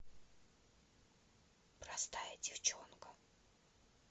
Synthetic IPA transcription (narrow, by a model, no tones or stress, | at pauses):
pɾast̪ajədʲɪft͡ɕonkə